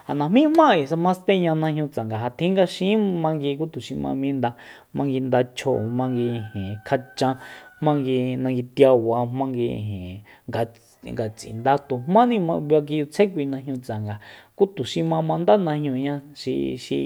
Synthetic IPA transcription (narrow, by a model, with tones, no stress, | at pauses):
ha˨nã˨mĩ˦hmã˦˨i˨sa˧mã˧˦st̪ẽ˦ɲã˧nã˧hɲũ˧t͡sa˨ŋɡa˨ɦa˧t̪ʰĩ˦ŋɡa˧ʃĩ˦mã˧ŋɡi˧ku˦t̪u˨ʃi˧mã̰˧mĩ˦nd̪a˧ | mã˧ŋɡi˧nd̪a˧t͡ʃʰo̰˧˨mã˧ŋɡi˧hẽ˨kʰa˧t͡ʃã˧hmã˦ŋɡi˧nã˧ŋɡi˧t̪ja˧wa˧mã˦ŋɡḭ˧˨ɦẽ˨ | ɡa˧ | ŋɡa˨t͡sḭ̃˨nd̪a˧t̪u˨mmã˦nĩ˦mã˧a˧k̬i˧ju˧t͡sʰẽ˦k̬ʷi˧nã˧ɦɲũ˧t͡sa˨ŋɡa˨ku˦t̪u˨ʃĩ˧mã˧mã˧nd̪a˦nã˧hɲũ˧ɲã˧ʃi˧ʃḭ˧